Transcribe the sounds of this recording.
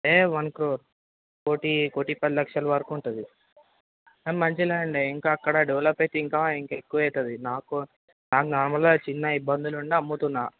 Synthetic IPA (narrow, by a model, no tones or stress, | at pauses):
eːʋɐnkɾoːɾ | koːʈikoʈːipɐd̪lɐkʂɐluʋɐɾkːɳʈund̪i | emɐɲt͡ʃilaːɐɳɖeiŋkaːkːɐɽɐɖeʋlɐpːɐjt̪iŋkaːiŋkekːuʋɐjt̪ɐd̪inaːku | naːkunɔɾmɐlɡoːt͡ʃinːɐibːɐnd̪uluɳɖeɐmːut̪unːaː